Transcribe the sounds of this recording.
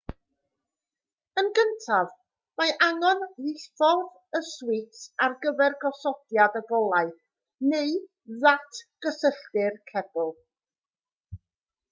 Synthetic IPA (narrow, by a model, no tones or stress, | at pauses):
ənɡəntʰav | maʔaŋɔnðɪfɔð | əswɪtarɡəvɛrɡɔsɔd̥jadəɡɔlˠaɨ | neɨ | ðatʰɡ̥əsəɬtɪrkʰɛb̥ʊlˠ